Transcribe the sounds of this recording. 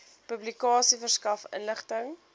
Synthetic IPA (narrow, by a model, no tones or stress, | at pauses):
pɵblikɑːsifərskɐfə̰nləχtəŋ